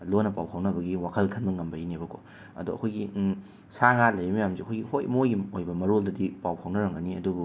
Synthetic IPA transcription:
lonɐpawhʰɐwnɐbɐɡiwakʰɐlkʰɐnbɐŋɐmbɐinebɐkʰo | ɐ̰duɐ̰kʰojɡi | saŋalɐjɾimijamziɐkʰojɡihojmojɡiojbɐmɐɾoldɐdipawhʰɐwnɐɾɐŋɐniɐdubu

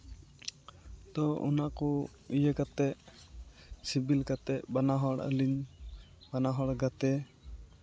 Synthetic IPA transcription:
t̪ɔṵnaʔkɔ | ijəkat̪ɛʔ | sibilkat̪ɛʔbanaɦɔɽə̰liɲ | b̥anaɦɔɽɡat̪ɛ

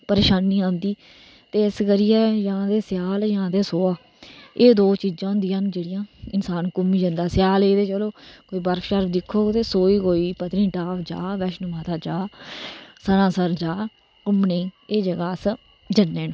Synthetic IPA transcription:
pəɾeːʃaːnːiːãːnd̪iː | t̪eːɪsɡəɾijɛːjãːd̪eːsjaːljãːd̪eːsoːaː | eːd̪oːt͡ʃiːd͡ʒãːɦʊ̃nd̪ijãːnd͡ʒeːɽɪjãːɪnsaːnkʊmĩːd͡ʒənd̪aːsɪjaːleːd̪eːt͡ʃəloːkoːiːbəɾfʰʃəɾpd̪ɪkʰːoːt̪eːsoːiːkoːiːpət̪nĩːʈaːpd͡ʒa̰ːʋɛːʃnəmaːt̪ʰaːd͡ʒaː | sənãːsəɾd͡ʒaː | kʊmneeːd͡ʒəɡaːs | d͡ʒənːeːn

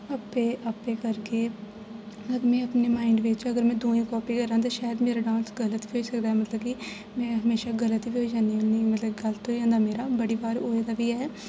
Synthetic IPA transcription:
əpeːʔapːẽːkəɾɡeː | ədmɛ̃ːəpneːmaːɪɳɖʋɪt͡ʃəɡəɾmɛ̃ːd̪uːĩːkɔːpiːkəɾãːt̪̬ãːʃaːjəd̪meːɾaːɖãːnsɡələt̪ʋiːɦoːisəkd̪aːɦɛːmət̪ləbkɪ | mɛ̃ːɦəmeːʃaːɡələt̪iʋiːɦoiːd͡ʒaːniːoniːmət̪ləbɡəlt̪õːid͡ʒãːnd̪aːmeːɾaːbəɽiːbaːɾoːed̪aːʋiːɛː

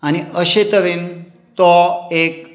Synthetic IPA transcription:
añiʔəɕet̪əʋin | t̪ɔek

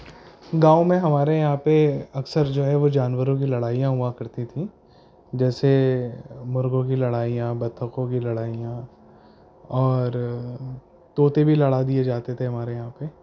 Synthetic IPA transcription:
ɡãːomẽɦɐmaːɾejɐɦãpeɐksəɾd͡ʒoːɦɛʋod͡ʒaːnʋəɾõk̬ilɐɽaːijãɦuãkɐɾt̪it̪ʰĩ | d͡ʒɛːse | mʊɾɡõk̬ilɐɽaːijãbɐt̪ʰːəkõkilɐɽaːijã | ɔːɾ | t̪oːt̪ebʱilɐɽad̪ied͡ʒaːt̪et̪ʰeɦɐmaːɾejɐɦãpe

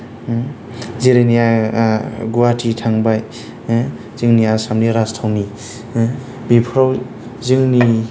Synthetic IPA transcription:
ziɾenija | ɡuwatʰitʰaŋbaj | zɯŋniasamniɾastʰawmi | bipʰɾɔw | zɯŋni

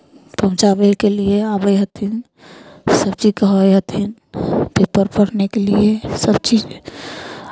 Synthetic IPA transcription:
pəɦʊ̃t͡ʃabəkelieabəjɦət̪ʰin | səbt͡ʃikəɦəjɦət̪ʰin | pepəɾpəɽnekeliesəbt͡ʃid͡ʒ

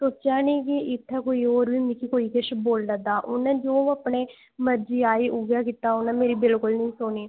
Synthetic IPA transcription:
t̪oːt͡ʃaːniːkiʔɪt̪ʰːɛkoːiːoːɾbiːmɪkikoːiːkɪʃboːld̪əd̪aːʔʊnãːd͡ʒoːəpneː | məɾd͡ʒiːaːiːʔʊɡjaːkit̪aːʊnãːmeːɾiːbɪlkʊlnəĩːsoːniː

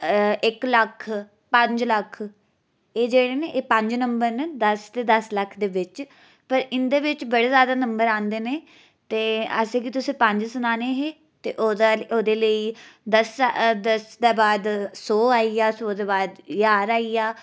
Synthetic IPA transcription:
ɪkləkʰː | pəɲd͡ʒləkʰ | eːd͡ʒeːɽeːneːʔeːpə̃ɲd͡ʒnəmbəɾneːd̪əst̪eːd̪əsləkʰːd̪eːʋɪt͡ʃ | pəɾɪnd̪eːʋɪt͡ʃbəɽeːzjaːd̪aːnəmbəɾãːnd̪eːneː | t̪eːə̰sẽːkit̪ʊsĩːpə̃ɲd͡ʒsʊnaːneːɦeː | t̪ḛːʔoːoːd̪eːləiːd̪əsd̪əsd̪eːbaːd̪sɔːaːiːaːsoːd̪eːbaːd̪jaːɾaːiːaː

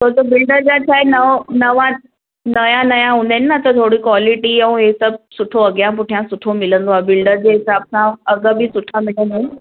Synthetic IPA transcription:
t̪oɾt̪obɪlɖəɾd͡ʑat͡ɕʰaenənəʋa | nəjãnəjãɦũnd̪enːat̪ət̪ʰoɽiːkʋaliʈiəũɦesəb̚suʈʰoəɡjãpʊʈʰjãsuʈʰomɪlə̃nd̪oabɪlɖəɾd͡ʑeɦisab̚sãəɡəbʱisuʈʰamɪlənd̪en

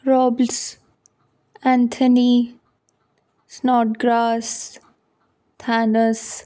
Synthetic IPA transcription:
ɾɔːbls | æ̃nt̪ʰəni | snɔːʈ̚ɡɾaːs | t̪ʰanəs

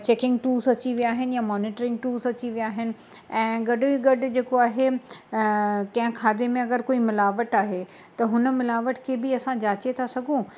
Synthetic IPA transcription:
t͡ɕeːkɪ̃ŋɡʈuːzɐt͡ɕiʋijaːɦɪnɪjamɔːnɪːʈɾɪ̃ŋɡʈuːzɐt͡ɕiʋijaːɦɪnɪ̆ | ɛ̃ːɡɐɖʱɪbiɡɐɖʱʊ̆d͡ʑeːkoaːɦe | kɐ̃ɦɪ̃kʰaːd̪emẽɐɡəɾkoːimɪlaːʋəʈaːɦe | t̪ɐɦʊnmɪlaːʋəʈkʰebɪɐsãd͡ʑaːt͡ɕet̪ʰasɐɡʱũ

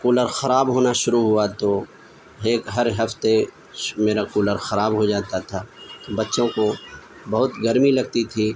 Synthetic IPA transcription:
kuːləɾxɐɾaːbɦoːnaʃʊɾuɦʊat̪o | ɦeːkɦɐɾɦɐft̪e | meːɾakuːləɾxɐɾaːbɦod͡ʒaːt̪at̪ʰaːt̪obɐtːʃõko | bɐɦʊt̪ɡɐɾmilɐɡ̚t̪it̪ʰiː

